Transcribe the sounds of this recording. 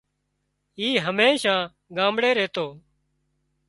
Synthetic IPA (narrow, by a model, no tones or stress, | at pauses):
iːɦəmeːʃãː | ɡãːmbɽeːɾeːt̪oː